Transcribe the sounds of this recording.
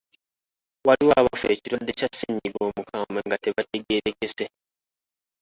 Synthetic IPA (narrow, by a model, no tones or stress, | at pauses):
waliwaːβafe̞ːciɾodːecasːiɲːiɡo̞ːmukʰaːmaŋɡate̞βate̞ɡe̞ːɾe̞ke̞se